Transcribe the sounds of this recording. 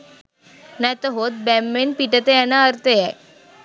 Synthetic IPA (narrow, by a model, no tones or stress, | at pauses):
nat̪oɦoːt̪̚bɛmːenpiʈət̪eɛnaəɾt̪eɦɛ